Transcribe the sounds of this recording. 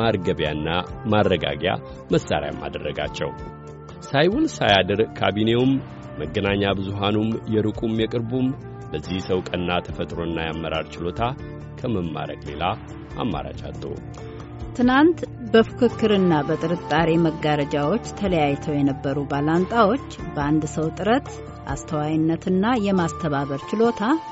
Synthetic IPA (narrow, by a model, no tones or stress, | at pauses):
maɾɡəβjanːamaɾːəɡa̰ɡja̰ | məsːa̰ɾja̰mːa̰d̪ərːəɡa̰t͡ʃːɛ̰w | sajwulsajad̪ɨɾkʰabine̞wumː | əɡːənaɲːabɨzuɦanumjɛɾɨkʼumjɛkʼɨɾbum | bəzːihsəwkʼənːat̪ʰəfət̪ʼɾo̞ɨnːajamːəɾaɾt͡ʃɪlo̞t̪ʰa | kʰəməmːa̰ɾə̰kʼle̞̰la | ʔa̰mːa̰ɾa̰t͡ʃʼa̰t̪ʼːə̰ | t̪ʰɨnant̪bəfɨ̥kʰɨkːɨɾɨnːabət̪ʼɨɾɨt̪ʼːaɾe̞məɡaɾəd͡ʒawo̞t͡ʃːt̪ʰələjajt̪ʰəwjɛnəbːəɾubalant̪ʼawo̞t͡ʃːbəand̪səwt̪ʼɨɾət̪ | ʔa̰st̪ʰəwajɪnːət̪ɨnːajɛmast̪ʰəβaβəɾt͡ʃɪlo̞t̪ʰa